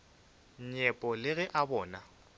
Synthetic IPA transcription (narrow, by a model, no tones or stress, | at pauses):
ɲ̩ɲɛpʼɔlɪɣɛʔabɔːna